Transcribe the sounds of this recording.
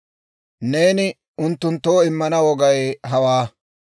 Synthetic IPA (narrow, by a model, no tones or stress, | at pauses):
ne̞ːnɪ | ʊnt̪ːʊnt̪ːoːɪmːɐnɐwɔɡɐjɦɐwaː